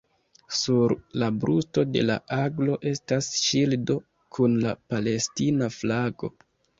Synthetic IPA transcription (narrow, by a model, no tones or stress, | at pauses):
suɾlabɾusto̞de̞̰la̰ʔaɡlo̞ʔe̞stasʃildo̞ | kʰunlapale̞stinaflaɡo̞̰